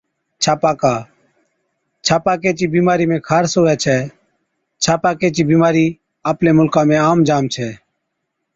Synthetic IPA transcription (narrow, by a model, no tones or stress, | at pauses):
t͡ʃʰaːpaːkaː | t͡ʃʰaːpaːkeːt͡ʃiːbiːmaːɾiːmẽːkʰaːɾsoːɛːt͡ʃʰɛː | t͡ʃʰaːpaːkeːt͡ʃiːbiːmaːɾiː | aːplẽːmʊlkãːmẽːaːmd͡ʒaːmt͡ʃʰɛː